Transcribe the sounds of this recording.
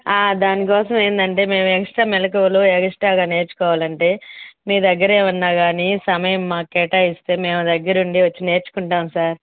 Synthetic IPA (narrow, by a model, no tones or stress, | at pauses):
aːd̪aːnik̬ɔːsɐme̞ːnd̪ɐɳʈe̞ːme̞ːmuɛɡɐʂʈaːmɛlɐk̬ɐʋɐluɛɡɐʂʈaːɡaːne̞ːɾt͡ʃu̥kɔːʋaːlɐɳʈe̞ːmiːɾd̪ɐɡːɐɾeːʋɐnːaːɡaːniːsɐmɐjɐmːaːkkɛːʈaːist̪e̞ːme̞ːmud̪ɐɡːɐɾuɳɖiʋɐt͡ʃːine̞ːɾt͡ʃu̥kuɳʈaːmsaːɾ